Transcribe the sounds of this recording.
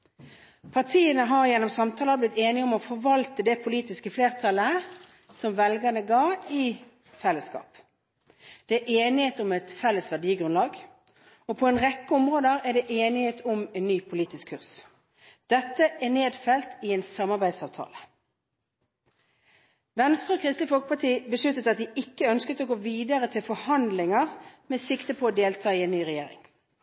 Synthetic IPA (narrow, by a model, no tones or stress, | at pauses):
pʰɑt̪ʰiːənəɦɑʁjɛnːɔmsɑmt̪ʰɑːləblɪt̪ːeːnɪɔmɔfɔʁʋɑlt̪əd̪ɛpʰʊliːt̪ɪskəfleːʁt̪ʰɑlə | sɔmʋɛlɡɑnəɡɑːɪ | fɛlːəskɑ̰ːp | d̪̥ɛʔeːnɪheːt̪ɔmɛt̪fɛlːəsʋæʁɖiːəɡʁʉnlɑːɡ | ɔpʰɔɛnʁɛkːəɔmʁoːd̪əʁæɖ̪ɛʔeːnɪheːt̪ʰʊmɛnnyːpʰʊliːt̪ɪskʰʉʁs | d̪̥ɛt̪ːəʔæneːd̪fɛlt̪ɪɛːnsɑmɑʁbæɪ̥sɑːʋt̪ʰɑ̰ːlə | ʋɛnst̪ʁəoːkʰʁɪst̪əfɔlkə̥pɑʈ̪ʰiːbəʂɭʉt̪ːət̪ɑt̪̚d̪ɪʔɪkːəœnskət̪oːɡoːʋiːd̪əʁət̪ʰɪlfɔhɑnd̪lɪŋəʁmeːsɪkt̪əpʰɔod̪eːlt̪ʰɑːɪɛnnyːʁɛjeːɾɪ̰ŋ